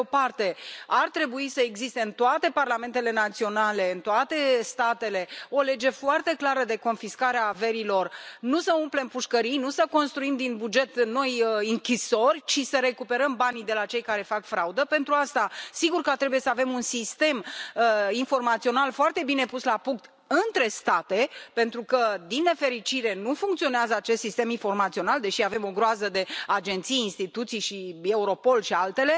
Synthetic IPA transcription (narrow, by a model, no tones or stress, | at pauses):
opart̪e̞art̪ɾe̞buisəeɡzist̪e̞ɨnt̪oat̪e̞parlame̞nt̪e̞le̞nat̪sio̞nale̞ɨnt̪oat̪e̞st̪at̪e̞le̞o̞le̞d͡ʒe̞foart̪e̞klaɾəd̪e̞ko̞nfiskaɾeave̞ɾilo̞rnusəumple̞mpuʃkəɾijnusəko̞nst̪ɾuimd̪inbud͡ʒe̞t̪no̞jiŋkʲiso̞rʲt͡ʃisəɾe̞kupe̞ɾəmbanid̪e̞lat͡ʃe̞jkaɾe̞fakfɾaud̪əpe̞nt̪ɾuast̪asiɡurkət̪ɾe̞buje̞səave̞munsist̪e̞məinfo̞rmat̪sio̞nalfoart̪e̞bine̞puslapuŋk̚t̪ | ɨnt̪ɾe̞st̪at̪e̞pe̞nt̪ɾukəd̪inːe̞fe̞ɾit͡ʃiɾe̞nufuŋkt̪sio̞neazəat͡ʃe̞st̪sist̪e̞minfo̞rmat̪sio̞nald̪e̞ʃiave̞mo̞ɡɾoazəd̪e̞ad͡ʒe̞nt̪sijinst̪it̪ut̪sijʃie̞uɾo̞po̞lʃialt̪e̞le̞